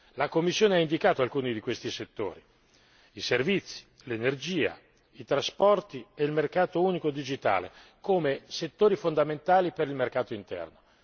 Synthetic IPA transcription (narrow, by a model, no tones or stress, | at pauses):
lakomːisːjoːneaind̪ikaːt̪oalkuːnid̪ikwest̪iset̪ːo̰ːɾi | iservit̪sːi̥ | lenerd͡ʒiːa̰ | it̪ɾaspɔrt̪ieilmerkaːt̪ouːnikod̪id͡ʒit̪a̰ːlḛkoːmeset̪ːoːɾifond̪ament̪aːlipeɾilmerkaːt̪oint̪ɛ̰rno